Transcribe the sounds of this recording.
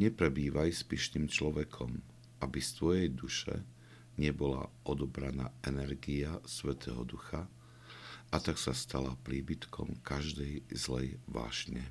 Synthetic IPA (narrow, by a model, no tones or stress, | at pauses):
ɲɛpɾɛbiːʋajspiʃniːmt͡ʃlɔʋɛkʰɔm | ʔabist̪ʋɔjɛjd̪uʃɛ̰ | ɲɛbɔla̰ʔɔd̪ɔbɾana̰ːʔɛnɛɾɡiasʋɛt̪ʰɛːɦɔd̪uxa | ʔat̪aksast̪alapliːbit̪kʰɔ̰mkaʒd̪ɛjzlɛjʋa̰ːʒɲɛ̰